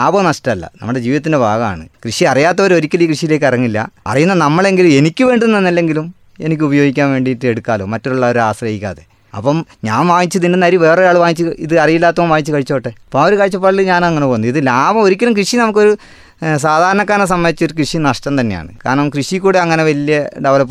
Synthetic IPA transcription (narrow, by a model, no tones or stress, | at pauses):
laːbɐnɐʂʈɐmɐlːɐ̰nɐ̰mːuɽed͡ʑiːʋiðɐt̪ːinde̞bʱaːɣɐma̰ːɳɨ̰krɨʂiɐrijaːt̪ːɐʋɐɾo̞ɾikʲːɐliːkrɨʂijile̞ːkːɐrɐŋːilːɐ̰ɐ̰rijunːɐnɐmːɐɭe̞ŋɡilume̞nikʲːɨʋe̞ːɳɖuðnːenːilːe̞ŋɡilum | e̞nikʲːɨubɐjo̞ːɡikʲːaːnʋe̞ːɳɖijtːɨeɽukːaːlo̞ːmɐtːouɭːɐoɾuaːsrɐjikʲːa̰ːðḛ | ɐ̰pːɐmɲaːnʋaːŋit͡ɕːɐðindenɐɾiʋe̞ːrejaːɭɨʋaːŋit͡ɕːɨiðɨɐrijilːaːt̪ːɐomʋaːŋit͡ɕːɨkɐɻit͡ɕːɐpːɐʈːepːɐmɐɾukɐɻit͡ɕːɐp̬ːɐɭilɨɲaːnɐŋːɐnepoːunːɐiðɨlaːbɐmoɾikʲːɐlumkrɨʂinɐmukːo̞ɾu | s̬aːd̪ʱaːɾɐɳɐkːaːnɐs̬ɐmːɐnd̪it͡ɕːo̞ɾukrɨʂinɐʂʈɐmt̪ɐnːe̞ja̰ːɳɨ̰ka̰ːɾɐɳɐmkrɨʂikːuːɽeɐŋːɐne̞ʋɐlijɐɖeʋɐlɐpː